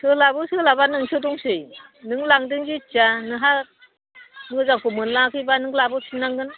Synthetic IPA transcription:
sʰɯlabɯsɯlabanɯŋsʰɯdɔŋsɯjnɯŋlaŋdɯŋd͡ʒit͡ʃanɯɦa | mɯzaŋkʰumɯnlakʰɯjbanɯŋlabɯsʰinaŋɡɯn

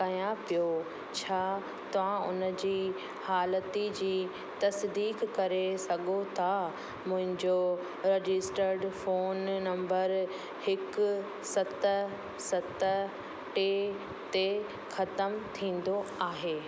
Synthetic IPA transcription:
kɐjãpijo | t͡ɕʰaː | t̪ɐʋ̤ãʔʊ̰nəd͡ʑiː | haːlət̪id͡ʑiː | t̪ɐsd̪iːkːɐɾesɐɠʱot̪ʰa | mʊ̃ɦɪ̃ɲd͡ʑo | ɾed͡ʑɪsʈəɾɖfoːnːɐ̃mbəɾ | hɪkʊ | sɐt̪ə | sɐt̪ə | ʈe | t̪e | xɐt̪əmt̪ʰĩːn̆d̪oaːɦeː

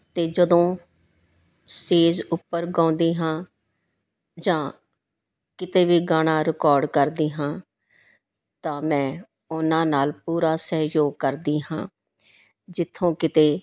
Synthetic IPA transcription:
t̪eːd͡ʒəd̪õː | sʈeːd͡ʒʊpːəɾɡãːnd̪iːɦãː | d͡ʒãː | kɪt̪eːʋiːɡaːɽ̃aːɾɪkɔːɾɖkəɾd̪iːɦãː | t̪ãːmɛ̃ː | ʊnãːnaːlpuːɾaːsəːjoːɡ̚kəɾd̪iːɦãː | d͡ʒɪt̪ʰːõːkɪt̪eː

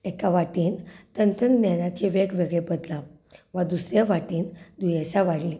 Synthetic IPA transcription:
ɛkaʋaʈiːnt̪ənt̪ənnjanãt͡ɕeʋekʋeɡɭebəd̪la | ʋad̪usɾjaʋaʈiːnd̪ujaɕaʋaɽli

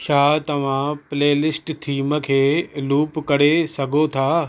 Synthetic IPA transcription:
ʃaːt̪ɐʋ̤ãpleːlɪsʈt̪ʰiːmə̆kʰeːluːpkɐɽ̤esɐɡʱot̪ʰaː

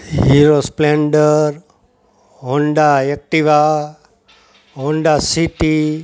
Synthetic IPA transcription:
ɦiɾospleɳɖəɾ | ɦoɳɖaek̚ʈiʋa | ɦoɳɖasiʈi

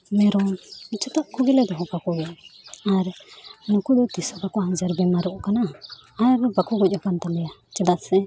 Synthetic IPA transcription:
mɛɾɔt͡ʃɔt̪aʔkɔɡilɛd̪ɔɦɔ̃pakɔɡɛaaɾnukud̪ɔt̪isɔbakɔhad͡ʒaɾbɛmaɾuʔkanaː | ɾbakɔɡɔc̚akant̪alɛjat͡ʃɛd̪aʔ̪sɛ

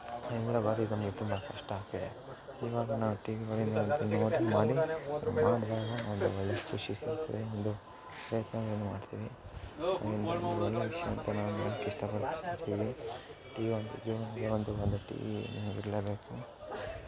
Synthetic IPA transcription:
ind̪lɐbaːɾuinɐmɐɡet̪umbɐkʰɐʂʈaːk̚t̪id̪e | iːʋaːɡɐnaːʋuʈiːʋiɡɐɭind̪ɐont̪ɐnoːɽmaːɽimaːɽd̪aːɡɐond̪uɔɭːɐkʰuʃisit̪ɐd̪eond̪u | pɾɐjɐt̪nɐeːnumaːɽt̪iːʋiɐ̰ind̪ɐond̪uʋɔɭːɐʋiʂjɐʋɐnt̪ɐnaːʋua̰ːnɐkːeiʂʈɐpɐɽkut̪ːiːʋi | ʈiːond̪ud͡ʒ̪uʋɐnd̪ɐond̪uɐld̪ɐʈḭːʋḭnɐmɐɡḭɾɐlebe̞ːku

